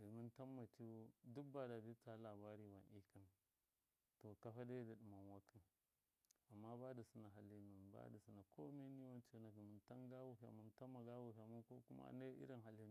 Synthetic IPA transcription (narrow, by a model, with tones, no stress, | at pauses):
ɡi˨mi˦nta˦mːa˨t͡ʃi˦du˦ba˨da˨di˦ta˦la˨ba˦ɾi˦wa˨nʔi˦ki˦n | to˨ka˨fa˦da˦da˨ɗi˨ma˨nwa˦ki˦n | a˨mːa˦ba˦da˨si˦na˨ɦa˦lːi˦nu˨nba̰˦da˨su˦na˨kʰo˦me˦ni˦wa˦nt͡ʃe˦na˨ɡi˨mi˨nta˦nɡa˦wu˨fi˨a̰˨ma˨n˦ta˦mːa˨ɡa˦wu˨ɦi˨a˨ma˦ko˦ku˦ma̰˦na˦ḭ˦ɾi˦nɦa˦li˦n˨